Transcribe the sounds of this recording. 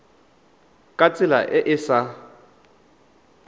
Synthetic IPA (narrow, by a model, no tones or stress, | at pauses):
kʼat͡sʼɪla̰ʔɪʔɪsa